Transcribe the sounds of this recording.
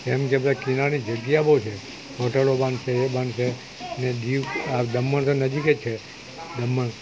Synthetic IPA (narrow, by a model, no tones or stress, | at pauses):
emkebəd̪akinanid͡ʒəɡjabot͡ʃʰe | ɦoʈəlobanʃeebanʃe | əned̪iʋad̪əmːəɳt̪onəd͡ʒiket͡ʃʰe | d̪əmːəɳ